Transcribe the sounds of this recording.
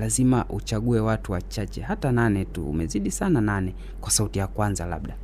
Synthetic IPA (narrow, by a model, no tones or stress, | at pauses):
lazimaʔut͡ʃaɠuɛwatuwat͡ʃat͡ʃɛhatananɛtṵṵmɛziɗisanananɛ | kwasautijakwanzala̰ɓɗa